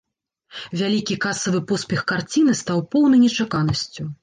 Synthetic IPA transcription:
vʲalʲikʲikasɐvɨpɔspʲɛxkart͡sʲin̪ɨst̪awpɔwnɨjnʲɛt͡ʂakanɐsʲt͡sʲu

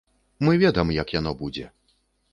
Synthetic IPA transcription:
mɨvʲɛd̪ɐmjɐkjanɔbud͡zʲɛ

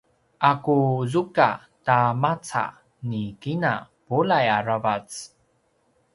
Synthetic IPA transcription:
ʔakuzuka | tamat͡sa̰ | nikina | polajaɾavat͡s

